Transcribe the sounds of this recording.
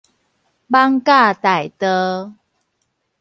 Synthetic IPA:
ba˦ŋka˥˧˨t̪a˨˩jt̪ə˦

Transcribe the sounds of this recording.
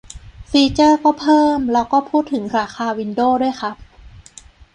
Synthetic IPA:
fiː˧t͡ɕɤː˥˩kɔː˥˩pʰɤː˥˩mlɛː˦˥wkɔː˥˩pʰuː˥˩t̪ʰːɯ˩˦ŋɾaː˩˦xʰaː˧wi˧ndoː˥˩du˥˩əjxʰa˦˥p̚

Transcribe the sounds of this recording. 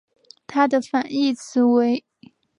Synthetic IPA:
t̪ʰa˥d̪ə˨fa˨˩ni˥˩t͡sʰɹ̩˧˥we˧˥ɪ

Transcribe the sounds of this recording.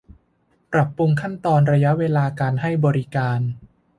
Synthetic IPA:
pɾa˨˩pːɾu˧ŋkʰa˥˩nt̪ɔː˧nɾa˧ja˦˥ʔweː˧laː˧kaː˧nha˥˩jbɔː˧ɾi˦˥kaː˧n

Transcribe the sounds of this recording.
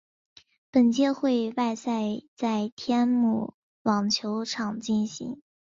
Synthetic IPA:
pə˨˩nt͡ɕjɛ˥˧xwe˥˧ɪwa˥˧ɪsa˥˧ɪt͡sa˥˩ɪt̪ʰjɛ˥nmṵ˥˩ | wɑ˨˩ŋt͡ɕʰjo˧˥ʊʈ͡ʂʰɑ˨˩ŋt͡ɕi˥˩nɕḭ˧˥ŋ

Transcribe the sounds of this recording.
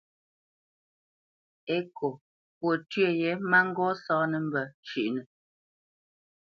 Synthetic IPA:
e˦ko˨ | pwo˨tɥe˦˨jɛ˨˦ma˦ŋ̩˦ɡɔ˦sɔː˦nə˦m̩˦bə˨t͡ʃʉ˨ʔnə˨

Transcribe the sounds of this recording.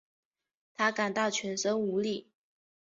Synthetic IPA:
t̪ʰa˥ka˨˩nt̪ɑ˥˩ʊt͡ɕʰɥɛ˧˥nʂɤ˥ŋu˧˥li˥˩

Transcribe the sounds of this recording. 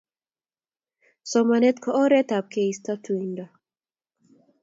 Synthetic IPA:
sɔmane˦t̪kʰɔɔ˦ɾɛ˦t̪a˨p̚kʰe˨ist̪a˦t̪u˨indɔ˨

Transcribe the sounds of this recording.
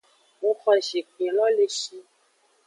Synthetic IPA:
wo˧kɔ̃˧i˨ʃe˨k͡pĩ˨lɔ˦le˧ʃi˧

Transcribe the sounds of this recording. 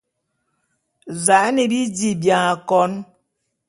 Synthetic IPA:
za˨˦ne˨bi˦di˨bja˨ŋa˨kɔ˦n

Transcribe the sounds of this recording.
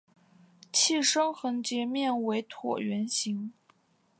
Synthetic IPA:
t͡ɕʰi˥˩ʂɤ˥ŋxɤ˧˥ŋt͡ɕjɛ˧˥mjɛ˥˩nwe˧˥ɪt̪ʰwɔ̰˨˩ɥɛ˧˥nɕi˧˥ŋ

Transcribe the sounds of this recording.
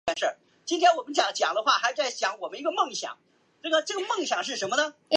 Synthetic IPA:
ɛ˧˥nʂə˞˥˩ | t͡ɕi˥nt̪ʰjɛ˥nwɔ˨˩mə˦nt͡ɕjɑ˧˥ŋt͡ɕjɑ̰˨˩ŋd̪ə˦xwa˥˩xa˧˥ɪt͡sa˥˩ɪɕjɑ˧˥ŋwɔ˨˩mə˦ni˧˥ɡə˧mɤ˥˩ŋɕjɑ̰˨˩˦ŋ | ʈ͡ʂɡə˧˩ʈ͡ʂɤ˥˩ɡə˩mɤ˥˩ŋɕjɑ˨˩ŋʂ̬ɻ̩˥˩ʂə˧˥nmə˧nə˧

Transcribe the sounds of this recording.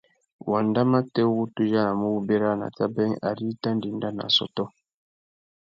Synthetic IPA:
wa˨nda˦ma˦tɛ˦wu˦tu˦ja˦na˨mə˦wu˦be˦ɾa˦na̰˨ta˦bɛ˦ŋa̰˨ɾi˦ta˦ndi˨n˨da˦na̰˨sɔ̰˦tɔ˦

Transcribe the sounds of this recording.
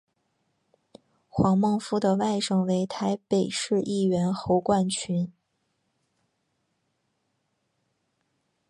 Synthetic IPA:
xwɑ˧˥ŋmɤ˥˧ŋfu˥d̪ə˨wa˥˧ɪʂɤ˥˩ŋwe˧˥ɪt̪ʰa˧˥ɪpe˨˩ɪʂɻ̩˥˧ʔi˥˩ɥɛ˧˥nxo˧˥ʊkwa˥˩nt͡ɕʰy˧˥n

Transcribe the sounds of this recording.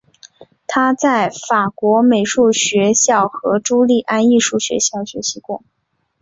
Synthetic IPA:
t̪ʰa˥t͡sa˥˩ɪfa˨˩kwɔ˧˥me˨˩ɪʂu˥˩ɕɥɛ˧˥ɕjɑ˥˩ʊxɤ˧˥ʈ͡ʂu˥li˥˩ʔa˥ni˥˧ʂu˥˩ɕɥɛ̰˧˥ɕjɑ˥˩ʊɕɥɛ˧˥ɕʰi˧˥kʊ˥˩ŋ

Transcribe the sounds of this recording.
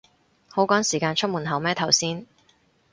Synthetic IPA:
ho˨˥wkɔː˨˥nsiː˨˩kaː˧nt͡ʃʰɵ˥muː˨˩nɦɐ˨˩wmɛː˥t̪ʰɐ˨˩wsiː˥n

